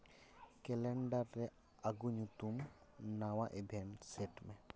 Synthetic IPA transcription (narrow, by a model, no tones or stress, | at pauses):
keleɳɖəɾːe | aɡuɲut̪um | nawaʔebʱeɳʈseʈmẽ